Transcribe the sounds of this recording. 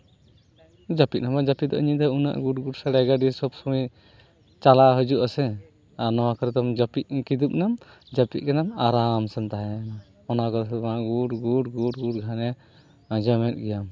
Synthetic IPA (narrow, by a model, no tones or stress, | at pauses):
d͡ʒapit̪̚namad͡ʒapiʔ̚d̪ɔ̰ʔɲĩd̪ɔuna̰ʔɡuʈɡuʈsaɽɛɡaɖisɔbsɔmi | t͡ʃalaɦəd͡ʒuʔasɛ | aɾnɔwakɔɾɛd̪ɔmd͡ʒapiʔ̚kid̪up̚nam | d͡ʒapiʔ̚kɛnamaɾamsɛnt̪aɦɛna | ɔnakɔɾsɔmaʔɡuʈɡuʈɡuʈɡuʈ̚ɡʱanɛ | d͡ʒamɛt̪̚ɡɛjam